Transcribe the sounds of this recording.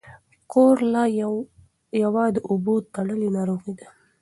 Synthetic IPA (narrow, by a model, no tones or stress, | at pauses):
koɾla | jawɑd̪əʔʊbot̪ːaɽəlinaɾoɣid̪a